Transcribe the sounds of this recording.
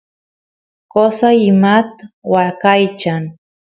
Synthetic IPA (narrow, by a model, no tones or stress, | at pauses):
kosaɪmat̪wakajt͡ʃaŋ